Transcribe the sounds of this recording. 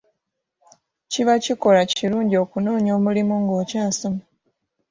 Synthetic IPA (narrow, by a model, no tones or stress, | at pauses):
ciβaciko̞laciɾuːɲɟio̞ːkunoːɲo̞ːmulimuŋɡo̞ːcaːnsoma